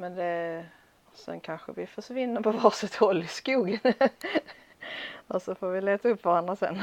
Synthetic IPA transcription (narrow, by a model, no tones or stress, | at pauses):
mɛnd̪ɛ | sɛ̰nkʰanɧə̰vɪfœʂvɪnːəɾpʰɔvɑːsɛt̪hɔlːɪskuːɡən | ɔsɔfoːɾvɪleːt̪aɵpːvaɾand̪ɾasɛ̰n